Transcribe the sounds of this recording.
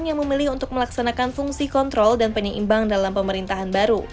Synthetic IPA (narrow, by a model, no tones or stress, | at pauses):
njaŋməmilɪɦunt̪ʊk̚məlaksanakanfuŋsikɔnt̪ɾɔldanpəɲəʔḭmbaŋdalampəməɾint̪aɦanbaɾu